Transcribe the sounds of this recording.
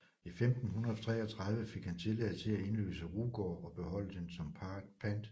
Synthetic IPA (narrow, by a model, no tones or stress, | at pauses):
ifemd̥n̩ɦunɐðˠt͡sʰʁɛ̰ːɒ̽t͡sʰʁɑ̈ð̞ˠʋəfe̝ɡ̥hænt͡sʰe̝lɛð̰ˠt͡sʰe̝læe̝nlø̰ːsəʁuːɡ̥ɒːɒ̽b̥e̝ɦɒ̽l̰əd̥ensɒ̽mpʰpʰænd̥